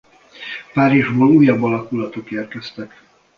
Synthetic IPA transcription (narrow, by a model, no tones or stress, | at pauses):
paːɾiʒboːluːjːɒbːɒlɒkulɒt̪okeːrkɛst̪ɛk